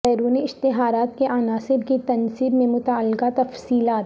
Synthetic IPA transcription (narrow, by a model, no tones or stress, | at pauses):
pɛːɾuːniɪʃt̪ɪɦaːɾaːt̪keʔaːnaːsɪɾkit̪ɐnsiːbmẽmʊt̪aːlɪɡat̪ɐfsiːlaːt̪